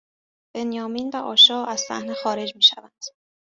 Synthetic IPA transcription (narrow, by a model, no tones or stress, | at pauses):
b̥e̞njɒːmiːnvæʔɒːʃɒːæz̥fæ̰hnexɒːɾe̞d͡ʒmiːʃævænd̪̥